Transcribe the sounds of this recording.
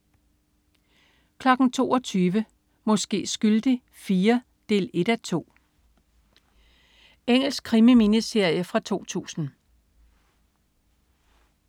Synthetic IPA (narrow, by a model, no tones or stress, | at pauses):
kʰlɒ̽ɡ̥n̩t͡sʰo̝̰ːɒt͡sʰyːʋə | mɒ̽sɡ̥e̝̰ːsɡ̥yld̥i | fiːɐ | d̥e̝̰ːle̝d̥æt͡sʰo̝̰ː | eŋ̰l̩sɡ̥̚kʰʁimiminisd̥e̝ɐ̰jəfʁɑ̈t͡sʰo̝̰ːt͡sʰṵːsn̩